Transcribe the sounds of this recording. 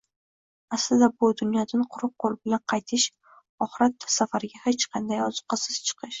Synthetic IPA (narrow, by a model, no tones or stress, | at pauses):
aslɪd̪abʊd̪ʊnjɒd̪anqʰʊɾʊq̚qːolˠɪbɪlanqʰɑjt̪ʰɪʃ | ɒχɪɾat̪ːsafaɾɪɡʲahet͡ʃqʰɑnd̪ajɒzʊ̥qʰɑsɪz̥t͡ʃʰɨ̥qʰɨʃ